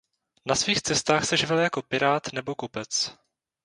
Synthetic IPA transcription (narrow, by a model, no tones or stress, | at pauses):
nasviːxt͡sɛst̪aːxsɛʒɪvɪljako̞pɪɾaːt̪nɛbo̞kopɛt͡s